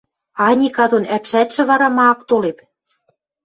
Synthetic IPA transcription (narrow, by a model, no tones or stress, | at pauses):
ɑnʲikɑd̪onæpʃæt̪ʃɘ̆βɑɾɑmɑːkt̪olep